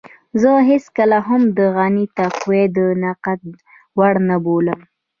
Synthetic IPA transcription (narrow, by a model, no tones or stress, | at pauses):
zəɦɪskəlaɦamd̪əɣanit̪aqwed̪ənaqat̪̚ | waɽnaboləm